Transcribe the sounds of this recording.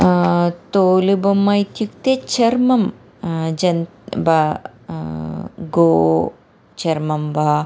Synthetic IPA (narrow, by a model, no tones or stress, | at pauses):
t̪oːlibɐmːɐjt̪jukt̪et͡ʃʰɐɾmɐm | d͡ʒɐn | bɐ | ɡoː | t͡ʃɐɾmɐmbɐ